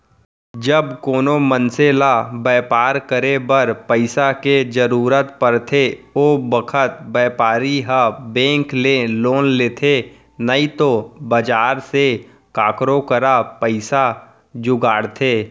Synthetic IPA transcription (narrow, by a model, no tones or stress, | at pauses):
d͡ʒəbkoːnomənseːlabɛːpaːɾkəɾebəɾpəɪsaked͡ʒəɾuːɾət̪pəɾt̪ʰeoːbəkʰət̪̚bɛːpaːɾiɦabɛ̃ːŋkleloːnleːt̪ʰe | nəit̪obəd͡ʒaːɾse | kaːkɾokəɾapəɪsa | d͡ʒʊɡaːɽt̪ʰeː